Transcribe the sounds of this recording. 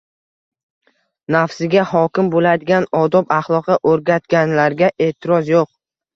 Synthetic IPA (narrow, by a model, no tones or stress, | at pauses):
nafsɪɡʲahɒkʲɪmbolad̪ɪɡʲanɒd̪ɒpaχlˠɒqʰɑʔɵɾɡʲat̪ɡʲanlaɾɡʲaʔe̞ːt̪ʰɪɾɒzjoq̚